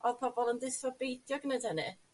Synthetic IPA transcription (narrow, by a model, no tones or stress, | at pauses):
ɔð̥pʰɔbɔlˠəndɪsvɔbejdjɔɡnədənɨ